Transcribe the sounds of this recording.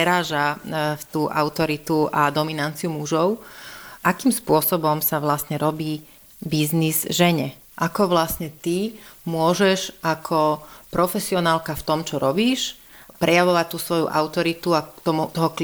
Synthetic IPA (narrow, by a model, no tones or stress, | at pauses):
ɛɾaːʒat̪uːʔa̰ʊt̪ɔɾit̪uʔad̪ɔminant͡siumuʒɔʊʔakiːmspʊɔsɔbɔmsaʋlasɲɛɾɔbiː | biznizʒɛɲɛ | ʔakɔʋlasɲɛt̪imʊɔʒɛʃʔakʰɔpɾɔfɛsiɔnaːlkaft̪ɔmt͡ʃɔɾʔɔbiːʃ | pɾʔɛjaʋɔʋac̚t̪ːuːsʋɔjṵʔa̰ʊt̪ɔɾit̪uat̪ɔmut̪ɔɦɔk